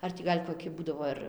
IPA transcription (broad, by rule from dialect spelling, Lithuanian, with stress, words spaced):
ˈɐr tʲiː ˈɡɐlʲ koːˈkʲɪ ˈbuːdɐʋoː ɪr